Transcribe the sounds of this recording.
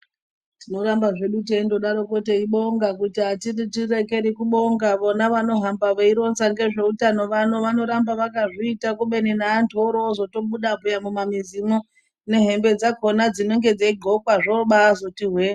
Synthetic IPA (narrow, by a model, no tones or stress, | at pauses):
tino̞ɾambaʐe̞ɗuteindo̞ɗaɾo̞ko̞teiɓo̞ŋɡakutiɦatiritireke̞ɾikuɓo̞ŋɡaʋonaʋano̞ɦambaʋeiɾo̞nsaŋɡe̞ʐe̞utano̞ʋano̞ʋano̞ɾambaʋakaʐiitakuɓe̞ninaːntʰoɾozo̞to̞ɓuɗabʱujamumamizimo | ne̞ɦe̞mbe̞d͡zako̞nad͡zino̞ŋɡe̞d͡zeiɡʱokwaʐoɓaːzo̞tiɦwe